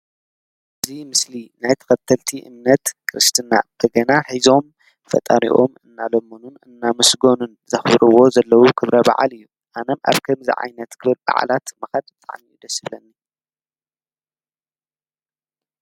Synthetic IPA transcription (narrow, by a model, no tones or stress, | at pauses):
ʔʔɨzimɨslinajt̪ʰɐ̥kɐt̪ʰːɐlt̪ʰiʔɨ̰mnɐt̪kʰɨɾɨst̪ʰɨna̰b̥ɐɡɐnaħizo̞m | fɐ̰t̪ʼaɾḭʔo̞̰mɨnːalomonunɨnːamɨsɡo̞nunzɐxbɾɨwo̞zɐlːɐwukʰɨβɾɐba̰ʕa̰lɨjːu | ʔanɐmʔa̰βkʰɐmzḭʕa̰jnɐt̪kʰɨβɨlba̰ʕa̰lat̪mɨxad̪bɨt̪ʼa̰ʕmiid̪ɐsɨβlɐnːi